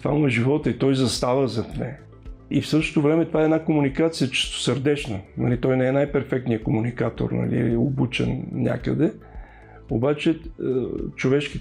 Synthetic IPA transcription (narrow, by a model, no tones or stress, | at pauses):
t̪vaumɛʒivɔt̪əit̪ɔjzɐst̪avəzɐd̪nɛ | ifsɤʃt̪o̥t̪ovɾɛmɛt̪ovaɛːdnakomunikat̪sijət͡ʃi̥st̪o̥səɾd̪ɛt͡ʃnənɐ̰lit̪ɔjnɛɛnajpɛɾfɛk̚t̪nijəkomunikat̪o̰ɾnɐ̰lḭɛ̰obut͡ʃɛ̰nnʲʔa̰kə̰d̪ɛ | obat͡ʃɛ | t͡ʃovɛʃki